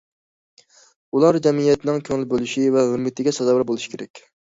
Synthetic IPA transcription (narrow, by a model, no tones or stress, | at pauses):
ulˠɑɾd͡ʒɛmijɛt̪ɪnɪŋkʲʰøŋlɪbølˠyʃivɛʁøɾmɪt̪ʰɪɡʲɛsɑzɑwɾbolˠuʃi̥kʲʰeɾɛ̰kʲ